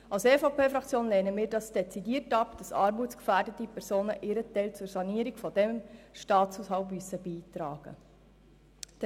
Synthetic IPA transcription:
ɑlsefɑpeːfɾɑkt͡sjoːnlɛːnəmiːɾdɑsd̥ɛt͡sidiətɑpd̥ɑsɑːɾmuːt͡skfæːrdətipʰɛɾzoːnəʔɪɾətɛɪlt͡sʊɾsɑniəɾiɡfɔd̥ɛmʃtɑːt͡suːshɑʊpmyəsəbiːtɾɑːɡ̥ə̰

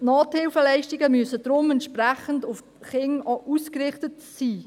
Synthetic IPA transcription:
noːthɪlfəlɛɪʃtiɡəmyəsədɾʊmɛntʃpræχəndʊf | χɪŋʔuːskrɪχtətsiː

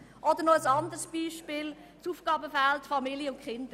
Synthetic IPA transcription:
ʔɔd̪əɾnɔəsɑnd̪əɾsb̥iːʃpɪːl | t͡suːfɡ̥ɑːbəfæltfɑmiljəʊntχɪndə

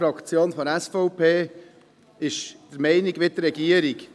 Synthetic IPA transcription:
ɾɑkt͡sjoːnfɔɾɛsfɔʊpʰeː | ɪʃd̪̥əɾmɛɪniɡʋɪtːɾɛɡ̥iəɾik

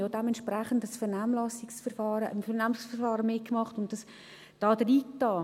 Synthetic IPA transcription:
jodɛmɛnt͡ʃʃpɾɛχən̩dəsfɛɾnamlɑsɪksfəɾfɑːɾəʔəmfɛrnaːmsfərfɑːɾəmɪkmɑχtʊnt̚d̥ɑs | d̥ɑːdɾiːtɑː

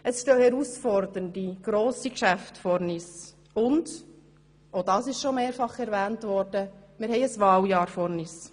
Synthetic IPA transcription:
əsʃtøːhɛɾusfɔɾd̪əndiɡ̥ɾoːsikʃæftfɔɾnis | ʊnd | odɑːsɪʃʃomeːɾfɑχɛɾvæːntʋɔɾd̥əmɪɾɦɛɪəsʋɑːljɑːɾfɔɾnis

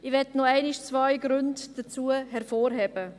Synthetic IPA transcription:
ɪʋɛtnɔɛɪnɪʃt͡svajɡɾʉndd̥ət͡suːəhɛɾfoːɾɦɛbə

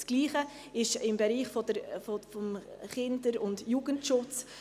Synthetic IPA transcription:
sɡ̥liːχə | ɪʃɪmbɛɾiːχfɔdəɾfɔfɔmχɪndəɾʊndjuːɡəntʃʊt͡s

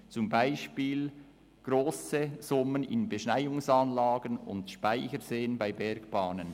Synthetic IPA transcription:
t͡sʊmbaɪʃpiːl | ɡ̥ɾoːsəz̥ʊmənɪ̰nbeʃnaɪʊŋsaːnlaːɡənʊ̰ntʃpaɪçəɾzeːənbaɪbɛɾɡb̥ɑːnən

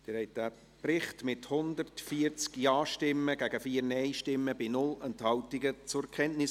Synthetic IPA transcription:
d̥ɪɾhɛɪt̚d̥æː | prɪχtmɪthʊndərtfiːəɾt͡skiɑːʃtɪmːəɡ̥æɡəfiːəɾnɛɪʃtɪmːəbinʊlɛnthɑwtɪɡət͡sʊɾkʰɛntnɪs

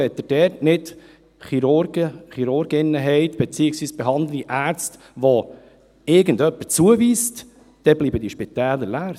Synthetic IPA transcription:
ɛt̪ːəd̥ɛːɾtnɪt | χiɾʊɡəχiɾʊɾɡɪnːəɦɛɪt̪b̥ɛt͡siːɪksʋiːsb̥ɛɦɑnd̪ləiʔæːɾt͡st | ʋɔ | ɪɾɡənd̪œpːət͡suəviːst | d̥ɛbliːbəd̥̪iʃpit̪æːləɾlæːɾ

